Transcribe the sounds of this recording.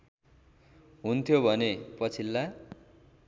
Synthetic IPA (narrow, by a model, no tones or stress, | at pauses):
ɦunt̪ʰjobʱʌnepʌt͡sʰilːa